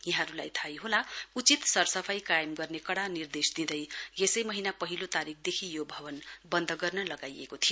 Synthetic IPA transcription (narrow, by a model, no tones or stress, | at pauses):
jʌɦãɾula̰jt̪ʰajɦolaut͡sit̪sʌrsʌpʰajkajmɡʌrnekʌɽanird̪esd̪id̪ʌjjesʌjmʌɦinapʌɦilot̪aɾik̚ʰd̪ekʰijobʱʌbʌnbʌnd̪ʱʌɡʌrnʌlʌɡajḛkot̪ʰijo